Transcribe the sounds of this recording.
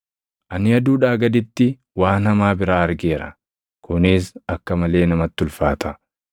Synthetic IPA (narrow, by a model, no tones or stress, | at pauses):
ʔɐnɪɐd̪uːᶑaːɡɐd̪ɪt̪ːɪ | waːnhɐmaːbɪɾaːɐɾɡeːɾɐ̰ | kʊnɪsɐkːɐmɐle̞ːnɐmɐt̪ːʊlfaːt̪ʰɐ